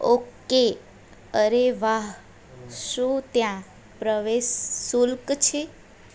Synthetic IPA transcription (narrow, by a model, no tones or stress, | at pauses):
oke | əɾeʋaɦ | ʃũt̪jã | pɾəʋeʃːulkt͡ʃʰe